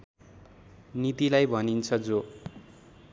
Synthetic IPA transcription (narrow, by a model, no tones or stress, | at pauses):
nit̪ilajbʱʌnint͡sʰʌd͡zo